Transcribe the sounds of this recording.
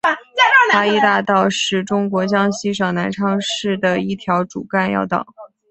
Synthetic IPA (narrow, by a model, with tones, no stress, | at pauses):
a˥i˥˧t̪a˥˧t̪ɑ˥˧ʊʂɻ̩˥˩ʈ͡ʂʊ˥ŋkwɔ˧˥t͡ɕjɑ˥ŋɕi˥ʂɑ˨˩ŋna˧˥nʈ͡ʂʰɑ˥ŋʂɻ̩˥˩d̪ə˩i˥˩t̪ʰjɑ˧˥ʊʈ͡ʂu˨˩ka˥˧njɑ̰˥˩ʊt̪ɑ̰˨˩˦